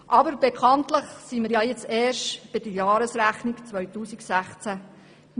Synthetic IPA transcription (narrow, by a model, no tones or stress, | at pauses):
ʔɑbəɾbekʰɑntləχsiməɾjɑjɛt͡sɛːɾʃtb̥ɪd̥əjɑːɾəsɾæχnikt͡sʋœɥtuːsiksæχt͡sæ